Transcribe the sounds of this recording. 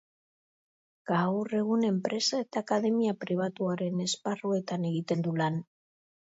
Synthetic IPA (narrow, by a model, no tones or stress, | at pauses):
ɡ̥awre̞ɣ̞une̞mpɾe̞sae̞t̪aːkaðe̞miapɾiβ̞at̪uaɾe̞ne̞sparue̞t̪ane̞ɣit̪e̞nd̪ulan